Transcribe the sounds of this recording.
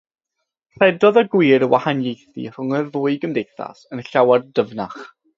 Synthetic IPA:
r̥ɛdɔðɔɡwiːɾəwahanjejθḭr̥ʊŋərvʊːɨɡəmdejθa̰sənɬawardəvnaχ

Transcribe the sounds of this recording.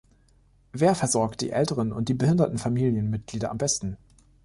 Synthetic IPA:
veːɐfɛɐzɔɐkt̚d̥ḭːʔɛltəʁənʊ̰nt̚d̥iːbəhɪndɐtn̩famiːljənmɪt̚ɡ̥liːdɐʔambɛstn̩

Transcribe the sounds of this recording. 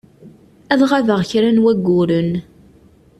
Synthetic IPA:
æðʁaðəʁçɾænwæɡːʊɾən

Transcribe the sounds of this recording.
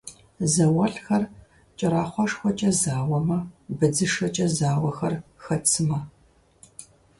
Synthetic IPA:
zɐwɐɬxɐr | t͡ʃʼɐɾaːχʷɑʂxʷɔt͡ʃʼɐzaːwɐmɐbɨd͡zɨʂɐt͡ʃʼɐzaːwɐxɐrxɐt͡sʰɨmɐ

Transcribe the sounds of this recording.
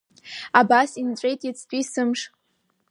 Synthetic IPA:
abasint͡ʃʼejtʼjit͡sʰtʼisɨmʂ

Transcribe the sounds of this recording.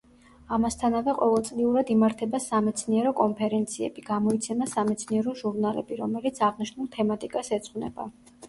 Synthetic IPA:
amast̪ʰanavɛqʼɔvɛlˠt̪sʼliuɾad̪imaɾt̪ʰɛbasamɛt̪sʰniɛɾɔkʼɔnpʰɛɾɛnt̪sʰiɛ̰b̥iɡ̥amɔit̪sʰɛmasamɛt̪sʰniɛɾɔʒuɾnalɛ̰biɾɔmɛlit̪sʰaʁniʃnulˠt̪ʰɛmat̪ʼikʼasɛt̪sʼχwnɛ̰ba̰

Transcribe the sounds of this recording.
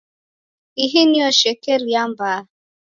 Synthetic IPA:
iɦiniɔʃɛkɛɾjambaː

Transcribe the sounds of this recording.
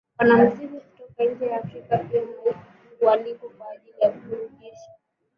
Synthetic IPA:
wanam̩ziɾikutɔkaiɲ̩d͡ʒɛjaːfɾikapiɛɔ | walikɔkwaːʄilijakuuɾɛʄɛʃḁ

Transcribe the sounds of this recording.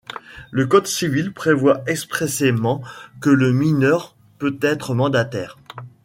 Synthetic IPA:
ləkɔd̪sivilpχevwaʔɛkspχesemɑ̃kələminœʁ | pøt̪ɛt̪χəmɑ̃d̪at̪ɛːʁ

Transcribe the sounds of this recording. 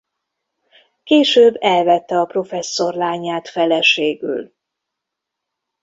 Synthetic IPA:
keːʃøːbːɛlvɛt̪ːɛɒpro̞fɛsːo̞rlaːɲːaːt̪fɛlɛʃeːɡy̰l

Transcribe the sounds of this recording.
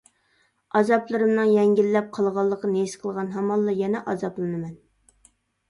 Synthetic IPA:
ɑzɑplˠɨɾɨmnɨŋjɛŋɡʲilːɛp̚qʰɑlˠʁɑlˠːəqɑnesqʰəlˠʁɑnɦɑmɑlˠːɑjɛnɛʔɑzɑplˠɨnɨmɛn

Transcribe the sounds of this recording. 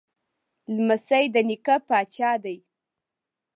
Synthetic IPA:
lməsajd̪ənikapɑt͡ʃɑd̪aj

